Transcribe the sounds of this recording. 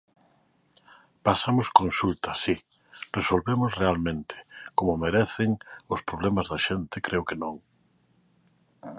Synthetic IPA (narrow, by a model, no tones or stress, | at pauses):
pasamoskõnsult̪asi | resolβemosrealmẽnt̪ʰe̥komomeɾeθeŋospɾoβ̞lemazðaʃent̪ekɾʔeokenõŋ